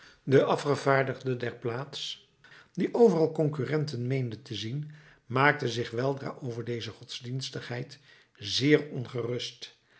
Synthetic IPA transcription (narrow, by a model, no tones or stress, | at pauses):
dəʔɑfχəvaːɹdəχdədɛɹplaːts | diʔowvərɑlˠkɔŋkyrɛntənmejndətəzin | maːk̚təzɪχʋɛlˠdra̰ːʔowvəɹdejzəχɔdz̥dinstəχɦɛjt | zɪːɹɔnχərɵst